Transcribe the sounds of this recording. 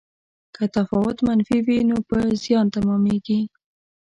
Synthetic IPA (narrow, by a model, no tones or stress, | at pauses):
kʰət̪afɑwʊt̪manfiwinopəzjɑnt̪amɑmeɡi